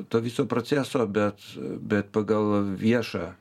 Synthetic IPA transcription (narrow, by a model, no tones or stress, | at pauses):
t̪oːʋʲɪsoːpɾoːt͡ssʲæːsoːbʲɛt̪bʲɛt̪̚pɐɡɐlˠʋʲiɛʃɑː